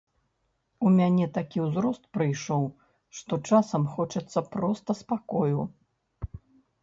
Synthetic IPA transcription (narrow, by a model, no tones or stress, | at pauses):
umʲanʲɛt̪akʲiwzɾɔst̪̚pɾɨjʂɔw | ʂt̪ɔt͡ʂasɐmxɔt͡ʂɐt̪sːɐpɾɔst̪ɐspakɔju